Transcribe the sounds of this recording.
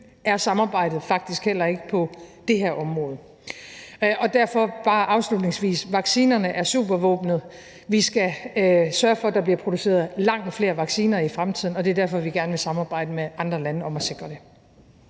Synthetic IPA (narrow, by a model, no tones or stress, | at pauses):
æɐsɑ̈mɑ̈ːb̥ɑ̈ɪ̰d̥ð̞̩ˠfɑ̈ɡ̥̚d̥isɡ̥hel̰ɐe̝ɡ̥əpʰɒ̽d̥e̝ɦeɐʔɒ̽mʁɔ̽ːð̞̩ˠ | ʔɒ̽d̥æɐ̰fɒ̽b̥ɑ̈ːʔɑ̈ʊslud̥ne̝ŋsʋḭːsʋɑ̈ɡ̥siːnɐnəʔæɐsṵːb̥ɐʋɔ̰̽ːb̥nð̩ˠ | ʋisɡ̥æsɶɐfɒd̥ɑ̈b̥liɐpʰʁo̝d̥use̝̰ːɐð̩ˠlɑ̈ŋ̰d̥fle̝ːɐʋɑ̈ɡ̥siːnɐifʁamt͡sʰið̰ˠn̩ɒ̽d̥e̝ɐdæɐ̰fɒ̽ʋiɡ̥æɐnʋe̝sɑ̈mɑ̈ːb̥ɑ̈ɪ̰d̥əmeʔɑ̈nd̥ʁɐlænəɒ̽mæse̝ɡ̥ʁɐd̥e̝